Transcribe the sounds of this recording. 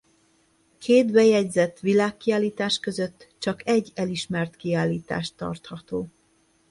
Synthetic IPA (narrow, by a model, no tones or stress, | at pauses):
kʰeːd̪bɛjɛɟzɛt̪ːʋilaːkːiaːlːiːt̪aːʃkø̞zø̞t̪ːt͡ʃɒkɛɟːɛliʃmɛrt̪kiaːlːiːt̪a̰ːʃt̪ːɒ̰rt̪hɒt̪oː